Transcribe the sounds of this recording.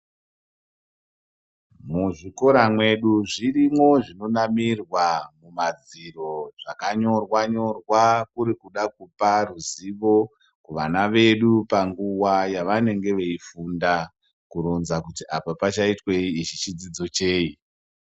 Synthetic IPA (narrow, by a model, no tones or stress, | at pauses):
muʐiko̞ɾamwe̞ɗuʐirimo̞ʐino̞namirwamumad͡ziro̞ʐ̥akaɲo̞rwaɲo̞rwakuɾikuɗakuparuziʋo̞ | kuʋanaʋe̞ɗupaŋɡuwajaʋane̞ŋɡe̞ʋe̞ifunda | kuɾonzakutiapapat͡ʃaitweiit͡ʃit͡ʃid͡zid͡zo̞t͡ʃe̞ːi